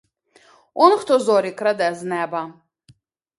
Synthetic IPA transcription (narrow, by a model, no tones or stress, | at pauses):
ɔnxt̪ɔzɔɾikɾad̪ɛznɛba